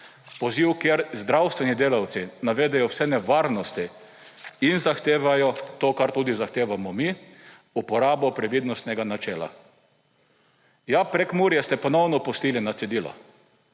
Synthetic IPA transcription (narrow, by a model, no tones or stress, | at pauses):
pɔziwkjeɾzd̪ɾawst̪ʋɛnid̪eːlawt̪sinaʋeːd̪ɛjɔwsɛnɛʋaːɾnɔst̪i | inzaxt̪eːʋajɔt̪oːkaɾt̪uːd̪izaxt̪eːʋamɔmi | upɔɾaːbɔpɾɛʋid̪nɔst̪nɛɡanat͡ʃɛːla̰ | japɾɛkmuːɾjɛst̪ɛpɔnɔwnɔpɔst̪ilinat̪sɛd̪iːlɔ̰